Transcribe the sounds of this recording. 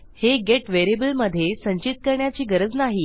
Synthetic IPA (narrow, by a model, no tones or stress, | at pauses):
heɡeʈʋeɾebəlməd̪ʱːjesəɲt͡ɕit̪̚kəɾɳjat͡ɕiːɡəɾəd͡znaɦiː